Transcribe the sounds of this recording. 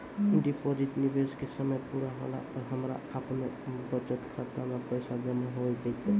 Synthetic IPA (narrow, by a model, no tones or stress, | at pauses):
ɪɖipod͡ʒiʈnibeskesəməjpuɾaɦo̰la̰pəɾɦəmɾa̰əpnobət͡ʃət̪kʰat̪aməpəjsad͡ʒəmaɦoid͡ʒ̪et̪e